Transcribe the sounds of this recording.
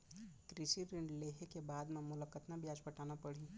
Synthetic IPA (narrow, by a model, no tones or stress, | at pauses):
kɾɪʃiɾɪ̃ɳɖleːɦekebaːd̪mẽmʊləkət̪nabjaːd͡ʒbɐʈaːnapɐɽ̤i